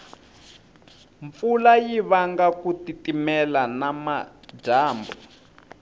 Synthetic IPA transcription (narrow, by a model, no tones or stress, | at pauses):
ɱfulajiβaŋɡakutitimɛlanamḁ | d͡ʒaːmbɔ